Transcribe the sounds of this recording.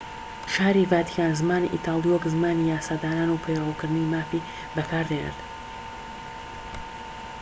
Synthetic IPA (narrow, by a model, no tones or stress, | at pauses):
ʃaːɾivaːt̪i̥kaːnzɨmaːniʔḭt̪ʰɑːlˠijwɐkzɨmaːnijaːsaːd̪aːnaːnupʰejlawkɨɾd̪nwimaːfi | bɐkʰaːɾd̪enɛ̰ɾt̪